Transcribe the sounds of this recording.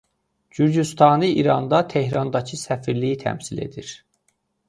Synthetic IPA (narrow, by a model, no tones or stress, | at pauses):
ɟyɾɟyst̪ʰɑnɯiɾɑnd̪ɑt̪ʰe̞hɾɑnd̪ɑcʰɯsæfiɾlijit̪ʰæ̰msile̞̰d̪iɾ